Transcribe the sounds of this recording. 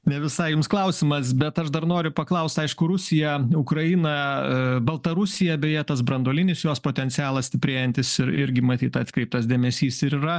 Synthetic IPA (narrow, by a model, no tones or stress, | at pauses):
nʲɛʋʲɪsɐɪjʊmsklˠɐʊsʲɪmɐsbʲɛt̪ɐʃd̪ɐɾnoːɾʲʊpɐklˠɐʊsʲt̪ɐɪʃkʊɾʊsʲɪjɛʊkɾɐɪnɐbɐlˠt̪ɐɾʊsʲɪjɛbʲɛjɛt̪ɐs̬bɾɐnd̪oːlʲɪnʲɪsjoːspoːt̪ʲɛnt̪sʲɪjæːlˠɐsʲt̪ʲɪpʲɾʲeːjɛnʲt̪ʲɪsɪɾɪɾʲɡʲɪmɐt̪ʲiːt̪ɐt̪ʲkɾʲɛɪp̚t̪ɐsd̪ʲeːmʲɛsʲiːsɪɾirɐ